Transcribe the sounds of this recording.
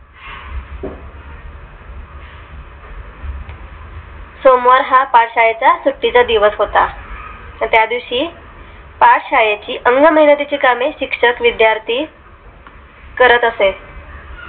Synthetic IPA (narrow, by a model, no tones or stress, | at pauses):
somʋaɾɦapaɽɕajet͡sasuʈːit͡sad̪iʋəsɦot̪a̰t̪əɳt̪jad̪iʋɕiː | paɽɕaɭet͡ɕiːʔəŋɡəməɦinət̪it͡ɕiːkameɕikʂəkʋid̪jaɾt̪ʰiː | kəɾət̪əse